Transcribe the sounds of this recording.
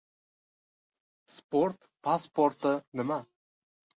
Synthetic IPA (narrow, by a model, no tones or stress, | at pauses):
spoɾt̪ | pʰaspoɾt̪ɨnɪma